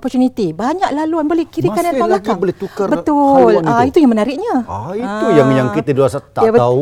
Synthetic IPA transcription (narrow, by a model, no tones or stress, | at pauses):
opɔrt͡ʃunit̪ibaɲaklaluanbolɛhkiɾikanaalakboleukabət̪ʊlait̪ujaŋmənaɾɪʔɲait̪ujaŋjaŋkit̪əduasat̪aabəau